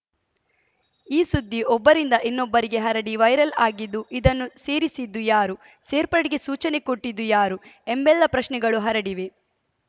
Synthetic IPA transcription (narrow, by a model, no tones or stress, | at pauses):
iːsud̪ːiʔɔbːɐɾind̪ɐʔinːɔbːɐɾiɡe̞ɦɐɾɐɽiʋɐjɾɐlaːɡid̪ːuʔid̪ɐnːuseːɾisid̪ːujaːɾu | se̞ːɾpɐɽiɡesuːt͡ʃɐnekoʈːid̪ːujaːɾuembɛlːɐpɾɐʃnɛɡɐɭuɦɐɾɐɽiʋe